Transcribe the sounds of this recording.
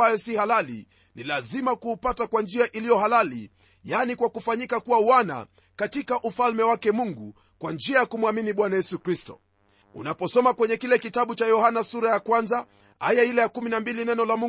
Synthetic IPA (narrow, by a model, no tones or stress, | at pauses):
ajɔsihalalḭ | nilazimakuːpatakwand͡ʒiaʔilijɔɦalalḭ | janikwakufaɲikakuwawana̰ | katikaʔufalmɛwakɛmuŋɡu | kwand͡ʒiajakumwaminiɓwanajɛsukɾistɔ̰ | ṵnapɔsɔmakwɛɲɛkilɛkitaɓut͡ʃajɔhanasuɾajakwanza | ha̰jailɛjakuminambilinɛnɔlamu